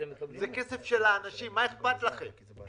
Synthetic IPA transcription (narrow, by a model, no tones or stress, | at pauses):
zekesefʃelaːnaʃimːaeχbat̪laχemm